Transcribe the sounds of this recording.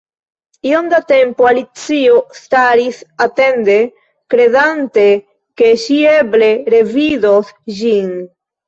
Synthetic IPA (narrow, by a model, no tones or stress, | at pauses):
iond̪at̪e̞mpoalit͡siost̪aɾisat̪e̞nd̪e̞ | kɾe̞ðant̪e | ke̞ʃieble̞ɾe̞vidosʒin